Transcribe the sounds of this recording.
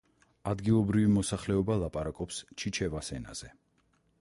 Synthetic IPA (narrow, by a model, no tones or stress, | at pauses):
ad̪ɡilˠɔbɾivimɔsaχlɛɔbalˠapʼaɾakʼɔpst͡ʃʰit͡ʃʰɛvasɛna̰z̥ɛ